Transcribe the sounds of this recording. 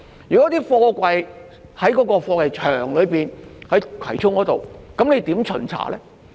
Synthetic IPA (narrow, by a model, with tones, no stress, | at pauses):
jyː˨˩kɔː˨˥t̪iː˥fɔː˧kʷɐ˧j | hɐ˨˥jkɔː˨˥kɔː˧fɔː˧kʷwʷɐ˨˧jt͡ʃʰœː˨˩ŋlɵ˨˧piː˨nhɐ˨˥jkʰɐ̰˨˩jt͡sʰʊ˥ŋkɔː˨˥t̪o˨wkɐ˨˥mne˨˧jt̪iː˨˥mt͡ʃʰɵ̰˨˩nt͡sʰa̰ː˨˩lɛː˥